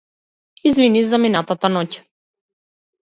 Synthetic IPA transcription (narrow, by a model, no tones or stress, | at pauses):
izvinivzaminat̪at̪anɔc